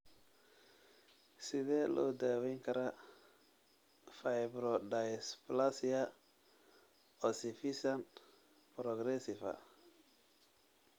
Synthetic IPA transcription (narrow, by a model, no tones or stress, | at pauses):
sɪðɛlʔɔ̰ːd̪awɛŋkʰɐɾa | fajbɾɔdasplasia | ɔsifisan | pɾɔɡɾɛsɪfa̰